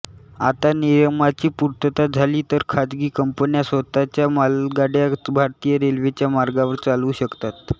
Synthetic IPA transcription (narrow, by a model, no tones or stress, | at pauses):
at̪anijəmat͡ɕiːpuɾt̪ət̪ad͡zʱaliːt̪əɾkʰad͡zɡiːkəmpənjasʋət̪at͡ɕjamalɡaɽjabʱaɾt̪ijəɾelʋet͡ɕjamaɾɡaʋəɾt͡saluːɕəkt̪at̪